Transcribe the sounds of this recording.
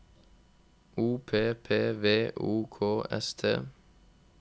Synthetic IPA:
uːpʰeːpʰeːʋeːʔuːkʰoːɛ̰st̪ʰḛː

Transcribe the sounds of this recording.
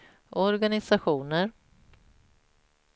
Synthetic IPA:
ɔɾɡanɪsaɧuːnəɾ

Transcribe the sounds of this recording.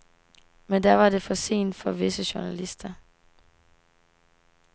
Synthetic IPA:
mend̥æʋɑ̈de̝fɒ̽se̝̰ːnd̥fɒ̽ʋe̝səɕuɐnælisd̥ɐ

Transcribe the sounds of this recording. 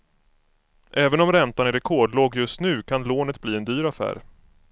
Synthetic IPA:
ʔɛːvənɔmɾɛnt̪anɪɾɛkʰoːɖloːɡjɵst̪nʉ̟ːkʰanloːnət̪bliːɛnd̪yːɾafæ̰ːɾ

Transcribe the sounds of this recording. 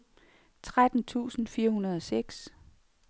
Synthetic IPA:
t͡sʰʁad̥n̩t͡sʰṵːsn̩fiːɐhunɐð̞ˠɒ̽seɡ̥s

